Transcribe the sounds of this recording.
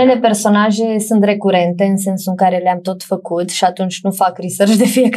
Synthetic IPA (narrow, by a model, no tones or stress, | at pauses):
ele̞pe̞rso̞naʒe̞sunt̪re̞kuɾe̞nt̪e̞ɨnse̞nsuɨŋkaɾe̞leamt̪o̞t̪fəkut̪ʃiat̪unt͡ʃʲnufakɾisərʃd̪e̞fije̞k